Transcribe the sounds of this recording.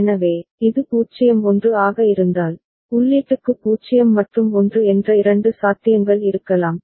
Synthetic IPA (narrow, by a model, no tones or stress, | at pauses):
nɐʋeːɪðɯpuːt͡ʃːɪjɐmɔndrɯaːɣɐɪɾɯnd̪aːl | ʊlːeːʈːɯkːɯpuːt͡ʃɪjɐmːɐʈrɯmɔndrɯɛndrɐɪɾɐɳɖɯsaːt̪ːɪjɐŋɡɐɭɪɾɯkːɐlaːm